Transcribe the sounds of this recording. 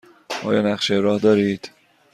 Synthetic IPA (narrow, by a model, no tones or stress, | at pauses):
ʔɒ̰ːjɒːnæχʃeɾɒːhd̪ɒːɾiːd̪̥